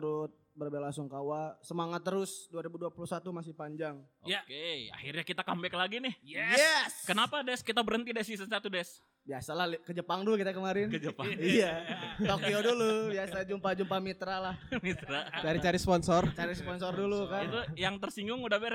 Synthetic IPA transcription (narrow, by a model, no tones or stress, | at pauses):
t̪ɾʊt̪̚bərbelaŋsʊŋkawasəmaŋat̪ːəɾʊsduaɾibuduapuluhsat̪umasɪhpaɲd͡ʒaŋ | ojakea̰hirɲakit̪akambɛkəlaɡinɪhjɛjɛskənapadɛskit̪abəɾənt̪idɛsisənsat̪udɛs | biasalahlkəd͡ʒəpaŋdʊkit̪akəmaɾɪnkəd͡ʒəpaŋijat̪okiodulubiasad͡ʒumpad͡ʒumpamit̪ɾalahmit̪ɾadaɾit͡ʃaɾispɔnsɔrt͡ʃaɾispɔnsɔrdulukaint̪ujaŋt̪ərsiŋɡʊŋudahbeɾ